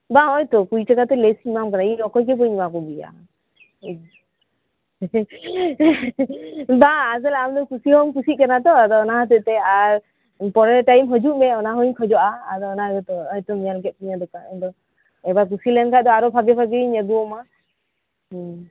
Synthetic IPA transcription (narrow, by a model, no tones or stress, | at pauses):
baɦɔjt̪ɔkujt͡ʃakat̪ɛlesimamkanailɔkɔjkɛpɔɲimakɔbija̰ | baːzɛlamd̪ɔkusihɔmk̬usiʔ̚kanat̪ɔad̪ɔːnaɦat̪ɛʔt̪ɛaɾ | pɔɾɛlʈajmɦɔd͡ʒuʔmɛɔnaɦɔɲkʰɔd͡ʒɔʔaːd̪ɔːnaɡɔt̪ɔɔjt̪ɔmijalkɛt̪̚ˀkiɲad̪ɔkaɛnd̪ɔ | ɛbak̬usilɛnkʰaʔd̪ɔaɾɔpʰaɡɛpʰaɡɛiɲəɡuɔma